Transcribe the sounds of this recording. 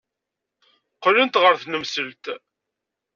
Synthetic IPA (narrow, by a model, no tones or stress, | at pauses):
qːlənt̪ʁəɾθnəmsəlt̪